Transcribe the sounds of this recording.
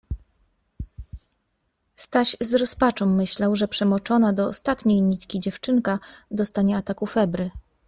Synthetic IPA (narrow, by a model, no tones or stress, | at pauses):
st̪aɕzɾɔspat͡ʂɔw̃mːɘɕlawʐɛpʂɛmɔt͡ʂɔnad̪ɔɔ̰st̪at̪ɲejɲit̪kʲid͡ʑɛft͡ʂɘŋkad̪ɔst̪aɲɛat̪akufɛbɾɘ